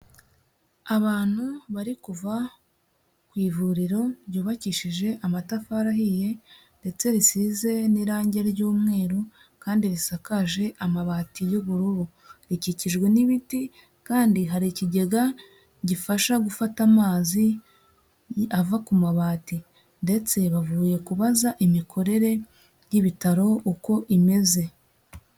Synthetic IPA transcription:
aβaːn̥huβaɾikuva | kwiːvuɾiɾo̞ɾɟuːβaciːʃiʒe̞ʔamatafaɾahije̞ | nde̞t͡se̞ɾisize̞niɾaːɲɟe̞ɾɾɟuːmŋe̞ːɾo | kaːndiɾisakaʒe̞ʔamaβaːtijoβuɾuɾu | ɾiciciʒɡwe̞niβiti | kaːndiɦaɾiciɟe̞ɡa | ɟifaʃaɡufatamaːzi | avakumaβaːti | nde̞t͡se̞βavuːje̞kuβazaʔimikʰo̞ɾe̞ɾe̞ | jiβitaɾo̞uko̞ʔime̞ze̞

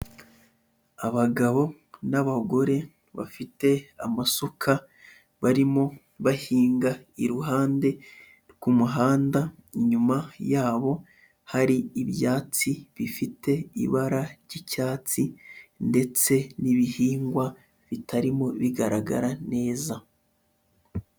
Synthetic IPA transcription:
aβaɡaβo̞ | naβaɡo̞ɾe̞ | βa̰fite̞amasukʰa | βaɾimo̞ | βahiːŋɡaiɾuɦaːnde̞ | kumuɦaːndaɲumajaːβo̞ | haɾiːβjaːt͡siβifite̞iβaɾaɾɟicaːt͡sinde̞t͡se̞niβihiːŋɡwa | βitʰaɾimo̞βiɡaɾaɡa̰ɾane̞ːza

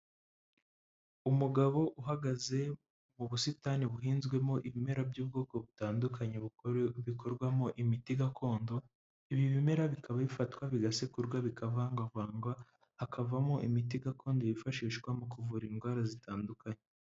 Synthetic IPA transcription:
umuɡaβo̞ʔuɦaɡaze̞ | muβusitaniβuɦiːnzɡwe̞mo̞ʔiβime̞ɾabɟuːb̚ɡo̞ːko̞βutaːndukʰaɲeβuβikʰo̞ɾɡwamoʔimitiɡakʰo̞ːndo̞ | iβiβime̞ɾaβikaβaβifatkwaβiɡasekuɾɡwaβikʰavaːŋɡavaːŋɡwaː | kʰavamoʔimitiɡako̞ːndojifaʃiːʃkwamukuvuɾinɡwaːɾazitaːndukaɲe

